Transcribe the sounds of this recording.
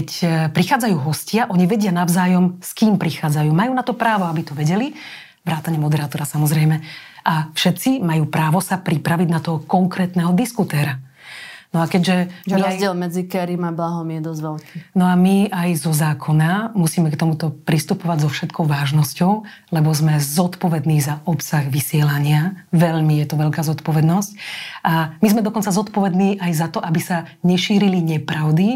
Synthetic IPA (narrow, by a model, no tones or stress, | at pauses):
ɛcpɾixaːd͡zajuːɦɔscɪaʔɔɲiʋɛɟɪanaʊzaːjɔmskiːmpɾixaːd͡zajuːmajuːnat̪ɔpɾaːʋɔabit̪ɔʋɛɟɛli | ʋɾaːt̪aɲɛmɔd̪ɛɾat̪ɔɾasamɔzɾɛjmɛafʃɛt̪t͡simajuːpɾaːʋɔsapɾipɾaʋiɟnat̪ɔɦɔkɔŋkɾɛːt̪nɛɦɔd̪iskut̪ɛːɾa | nɔakɛɟʒɛmiazjɪɛlmɛd͡zikɛɾimablaɦɔmjɛd̪ɔzʋɛlkinɔamiajzɔzaːkʰɔnamusiːmɛkt̪ɔmut̪ɔpɾist̪upɔʋaɟzɔfʃɛt̪kʰɔʊʋaːʒnɔscɔʊ | lɛbɔzmɛzɔt̪pɔʋɛd̪niːzaʔɔpsaɣʋisɪɛlaɲɪaʋɛʎmijɛt̪ɔʋɛʎkaːzɔt̪pɔʋɛd̪nɔscʔamizmɛd̪ɔkɔnt͡sazɔt̪pɔʋɛd̪niːʔajzat̪ɔʔabisaɲɛʃiːɾiliɲɛpɾaʊd̪i